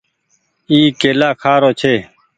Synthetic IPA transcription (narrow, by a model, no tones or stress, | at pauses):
iːkeːlaːkʰaːɾoːt͡ʃʰeː